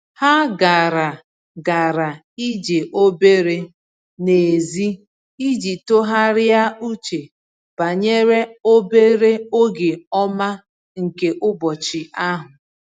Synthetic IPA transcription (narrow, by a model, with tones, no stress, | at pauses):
ha˦ɡa˨ɾa˨ | ɡa˨ɾa˨ | i˦d͡ʒe˨ʔo˦be˦ɾe˦ | ne˨zi˦ | i˦d͡ʒi˨to˦ɦa˦ɾɪ˦a˦u˦t͡ʃe˨ | b̥a˨ɲe˦ɾe˦o˦be˦ɾe˦o˦ɡe˨ɔ˦ma˦ | ŋ̩˨ke˨ʔʊ˦bɔ˨t͡ʃɪ˨a˦ɦʊ˨